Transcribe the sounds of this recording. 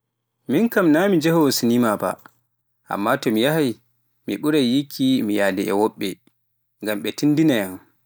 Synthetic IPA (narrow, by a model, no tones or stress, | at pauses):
minkamnamid͡ʒɛhɔsinimaba̰ | ʔa̰mːatɔmijaɦaj | miɓuɾaːikʰːimijadɛɛwɔɓːɛ | ŋɡamɓɛtindinajam